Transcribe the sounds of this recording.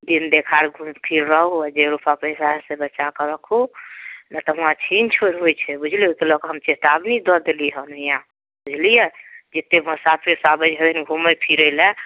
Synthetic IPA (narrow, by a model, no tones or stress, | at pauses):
d̪ind̪ekʰaɾɡʱupʰiɾɾəɦuɛd͡ʒeɾupapəjsaɦsebət͡ʃakɔɾəkʰunat̪ɔɦũãt͡ʃʰint͡ʃʰoɾɦojt͡ʃʰɛbud͡ʒʱliɦokelɔkɦəmt͡ʃet̪abnid̪ɔd̪eliɦənəjã | bud͡ʒʱlijɛd͡ʒet̪ːeməsapʰiɾsabəd͡ʒɦəbinɡʱuməpʰiɾəlɛ